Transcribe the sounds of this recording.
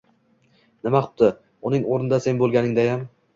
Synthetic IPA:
nɪmaχʊ̥pt̪ɪ | ʊnɪŋoɾnɪd̪ase̞nbolˠɡʲanɪŋd̪ajam

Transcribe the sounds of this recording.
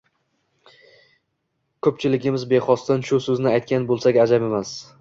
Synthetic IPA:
kʰɵp̚t͡ʃʰɪlɪɡʲɪmɪzbe̞χɒst̪ɪnʃʊsɵznɪajt̪̚kʲanbolˠsaɡʲad͡ʒabe̞mas

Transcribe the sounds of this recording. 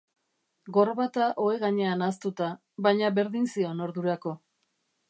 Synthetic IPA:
ɡo̞ɾβat̪aʔo̞e̞ɣaɲe̞anast̪ut̪a | βajɲaβe̞ɾðinsio̞no̞ɾðuɾako̞

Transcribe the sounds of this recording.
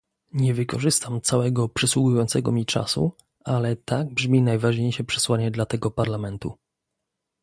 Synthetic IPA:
ɲɛvɘkɔʐɘst̪amt̪sawɛɡɔpʂɛswuɡujɔ̃nt̪sɛɡɔmʲit͡ʂa̰sṵ | alɛt̪aɡ̚bʐmʲinajvaʐɲejʂɛpʂɛ̥swaɲɛd̪lat̪ɛɡɔpaɾlamɛnt̪ṵ

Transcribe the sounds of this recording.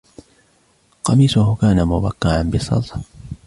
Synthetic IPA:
qɑmiːsʊhʊkaːnamʊbakːɪʕanbɪsˤːɑ̰lt̪

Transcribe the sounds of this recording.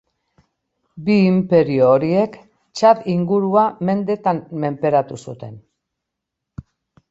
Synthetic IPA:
biːmpe̞ɾioːɾie̞k | t͡ʃaðiŋɡuɾuame̞nd̪e̞t̪anme̞mpe̞ɾat̪usut̪e̞n

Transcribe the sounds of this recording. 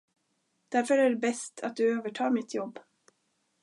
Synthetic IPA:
d̪̥æɾfœɾæɖɛbɛst̪ʰa̰t̪̚d̪ɵøːvəʈʰɑːmɪt̪ʰjɔbː

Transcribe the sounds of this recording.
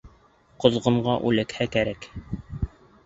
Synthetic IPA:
qŏzʁɤ̆ɴɢɑʔʉlæ̆khækæɾæk

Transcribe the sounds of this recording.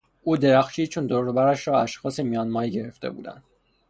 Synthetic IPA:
ʔuːd̪e̞ɾæxʃiːt͡ʃʰond̪oɾobæɾæʃɾɒːæʃxɒːsemijɒːnmɒːiɟe̞ɾe̞ft̪e̞̰bṵːd̪æ̰nd̪

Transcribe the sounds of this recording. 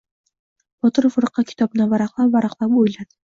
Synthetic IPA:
b̥ɒt̪ɤɾofŏɾɤqːɑkʲʰɪ̥t̪ɒbnavaɾɑqlˠɑpvɑɾɑqlˠɑpujlad̪

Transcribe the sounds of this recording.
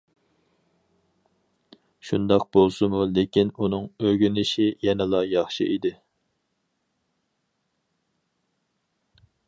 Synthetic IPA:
ʃund̪ɑq̚bolˠsɨmulekʲinunɨŋøɡʲynɪʃijɛnɪlˠɑjɑχʃɨ̰ʔid̪ɪ

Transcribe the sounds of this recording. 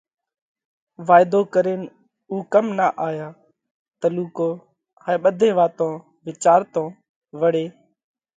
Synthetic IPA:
ʋaːɪd̪oːkəɾeːn | uːkəmnaːʔaːjaː | t̪əluːkoː | haːɓəd̪ʱẽːʋaːt̪õː | ʋɪt͡ʃaːɾt̪õː | ʋəɽeː

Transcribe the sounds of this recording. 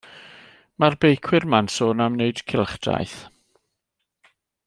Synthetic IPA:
marbejkʰwɪrmansoːnamneɨd̥kʰɪlˠχd̥a̰jθ

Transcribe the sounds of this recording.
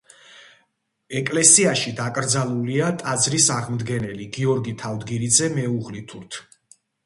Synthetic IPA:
ɛkʼlɛsiaʃid̪akʼɾd̪zalˠuliat̪ʼad̪zɾisaʁmd̪ɡɛnɛliɡiɔɾɡit̪ʰavd̪ɡiɾid̪zɛmɛuʁlit̪ʰuɾt̪ʰ

